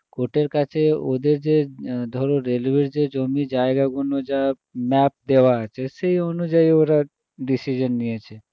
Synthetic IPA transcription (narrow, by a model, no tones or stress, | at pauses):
koʈeɾkat͡ʃʰeo̰d̪eɾd͡ʒed̪ʱɔɾoɾelʋeɾd͡ʒed͡ʒɔmid͡ʒaeɡaɡunod͡ʒa | mɛp̚d̪eʋaət͡ʃʰeseiɔnud͡ʒaioɾa | ɖisid͡ʒənːiət͡ʃʰe